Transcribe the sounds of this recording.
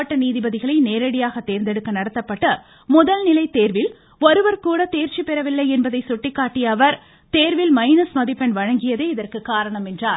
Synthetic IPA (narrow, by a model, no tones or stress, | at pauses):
ɐʈːɐniːðɪbɐðɪɣɐɭɐɪneːɾɐɽɪjaːɣɐt̪ːeːɾnd̪ɛɽɯkːɐnɐɽɐt̪ːɐpːɐʈːɐ | mʊðɐlnɪlɐɪt̪ːeːɾʋɪl | ɔɾɯʋɐɾkuːɽɐt̪eːɾt͡ʃipɛɾɐʋɪlːɐɪɛnbɐðɐɪsɔʈːɪkːaːʈːɪjɐʋɐɾ | t̪eːɾʋɪlmɐɪnɐsmɐðɪpːɛnʋɐɻɐŋɡɪjɐðeːɪðɐrkɯkːaːɾɐɳɐmɛndraːɾ